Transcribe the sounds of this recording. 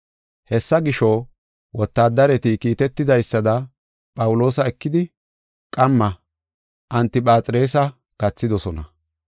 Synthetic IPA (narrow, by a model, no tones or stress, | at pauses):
hɛsːɐɡɪʃɔ | wɔt̪ːaːd̪ːɐɾɛt̪ɪkiːt̪ɛt̪ːɪd̪ɐjsːɐd̪ɐ | pʼɐwʊlo̞ːsɐɛkːɪd̪ɪ | kʼɐmːɐ | ʔɐnt̪ːɪpʼaːt͡sʼɪɾe̞ːs̬ɐ | ɡ̥ɐt͡sːɪd̪ɔsɔnɐ